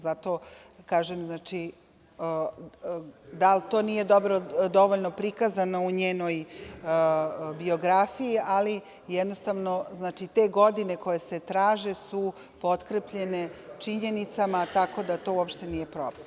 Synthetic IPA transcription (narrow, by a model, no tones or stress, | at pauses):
zat̪o̞ | kaːʒemznaːt͡ʃi | d̪alt̪o̞ːnije̞d̪o̞bɾod̪o̞ʋoʎno̞pɾikazanouɲeːno̞j | bio̞ɡɾafijiali | jɛd̪nost̪aʋno̞znaːt͡ʃit̪e̞ːɡo̞d̪ine̞ko̞jese̞t̪ɾaːʒe̞su | po̞t̪kɾepʎe̞ne̞t͡ʃiɲe̞nit̪samat̪ako̞d̪at̪o̞ːuopʃt̪enije̞pɾo̰blem